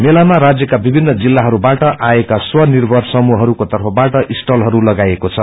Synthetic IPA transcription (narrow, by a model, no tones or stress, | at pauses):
melamaɾad͡zjʌkabibʱinːʌd͡zilːaɦʌɾubaʈʌʔaekaswʌnirbʱʌrsʌmuɦʌɾukot̪ʌrpʰʌbaʈʌʔisʈʌlɦʌɾulʌɡajekot͡sʰʌ